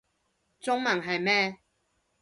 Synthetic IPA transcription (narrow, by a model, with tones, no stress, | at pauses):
t͡sʊ˥ŋmɐ˨˩ŋɦɐ˨jmɛː˥˧